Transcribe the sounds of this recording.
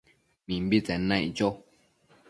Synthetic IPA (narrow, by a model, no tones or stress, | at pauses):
mĩmbit͡sɛ̃nãd͡ʒo